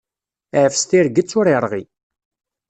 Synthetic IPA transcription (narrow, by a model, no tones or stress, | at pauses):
ʕfst̪iɾɡət͡sːʊɾiɾˤʁi